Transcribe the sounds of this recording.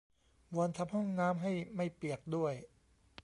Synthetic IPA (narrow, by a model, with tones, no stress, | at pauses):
wu˧ənt̪ʰa˧˥mhɔ˥˩ŋnaː˦˥mɦa˥˩jma˥˩jpi˨˩ək̚du˥˩əj